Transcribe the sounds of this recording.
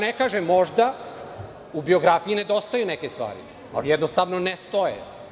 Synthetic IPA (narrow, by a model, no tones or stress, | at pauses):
nekaːʒemːo̞ʒd̪a | ubio̞ɡɾafijine̞d̪o̞st̪ajunekest̪ʋa̰ːɾḭ | a̰ljɛd̪nost̪aʋnonest̪ojḛ